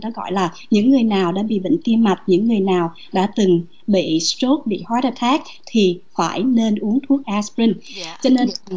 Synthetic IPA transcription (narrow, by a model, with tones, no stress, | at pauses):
nɔ˨˦ɣɔ̰˧˨jlaː˨˩ | ɲɨ̰˧˥ŋːɨ˨˩əjnaː˨˩wɗa̰ː˧˥ɓḭ˧˨vḭ˧˨ŋ̟t̪i˧əmma˨˩t̚ɲɨ̰˧˥ŋːɨ˨˩əjnaː˨˩w | ɗa̰ː˧˥t̪ɨ˨˩ŋ | ɓḭ˧˨sto˦˥t̚ɓḭ˧˨hwaː˨˦tə˧t̪ʰaː˦˥k̚ | t̪ʰi˨˩faː˧˩jne˧nʔu˨˦əŋt̪ʰu˦˥ək̚ʔa˧spɹi˧ŋt͡ɕɔ˧ne˧n